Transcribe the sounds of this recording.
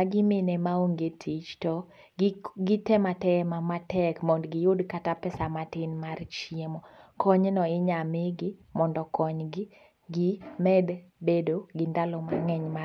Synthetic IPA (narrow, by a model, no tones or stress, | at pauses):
aɡɪmɪnɛmaoŋɡetʰit͡ʃtɔ | ɡɪtɛmatɛmamatɛkmɔndɡɪjʊdkatapɛsamatɪnmart͡ʃiemɔkʰɔɲnɔɪɲamɪɡɪmɔndɔkɔɲɡɪ | ɡɪmɛdbedoɡɪndalɔmaŋɛɲma